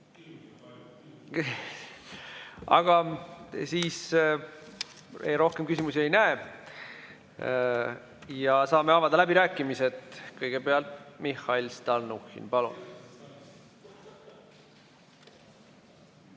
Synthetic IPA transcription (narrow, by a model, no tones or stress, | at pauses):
ɑ̰ɡ̥ɑsiːs | ḛɾo̞hkemkysimusie̞jnæe | jɑsɑːme̞ɑvɑd̪̥ɑlæbiɾæːkːˑimiset̪kɤjɡ̥e̞peɑlt̪mixːɑilst̪ɑlnuxḭnpɑlṵn